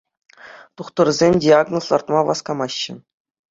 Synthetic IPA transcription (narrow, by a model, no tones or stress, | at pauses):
t̪uχt̪ɤ̆rzʲemʲdʲiaɡnoslˠɑrt̪mɑʋɑskɑmɑɕːɘ̆